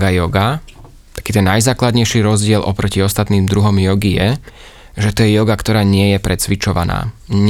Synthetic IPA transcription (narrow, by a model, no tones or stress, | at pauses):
ɡajɔɡa | t̪ḁkiːt̪ɛnːajzaːklad̪ɲɛjʃiɾɔzɟɪɛlʔɔpɾɔciɔst̪at̪niːmd̪ɾuɦɔmjɔɡijɛ | ʒɛt̪ɔjɛjɔɡakt̪ɔɾaːɲɪɛjɛpɾɛt͡sʋit͡ʃɔʋa̰na̰ːɲ